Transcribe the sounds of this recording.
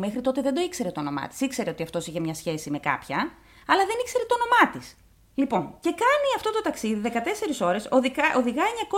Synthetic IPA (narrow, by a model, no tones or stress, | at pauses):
me̞xɾit̪o̞t̪e̞ðed̪o̞ikse̞ɾe̞t̪ono̞mɐ̰t̪i̥sikse̞ɾeo̞t̪iɐft̪o̞siçemɲɐsçe̞sime̞kɐ̰pçɐ | ɐlɐðe̞nikse̞ɾe̞t̪ono̞mɐt̪is | lipo̞nce̞kɐniɐft̪o̞t̪o̞t̪ɐksiðiðe̞kɐt̪e̞se̞ɾiso̞ɾe̞soðioðiɣɐeɲɐko̞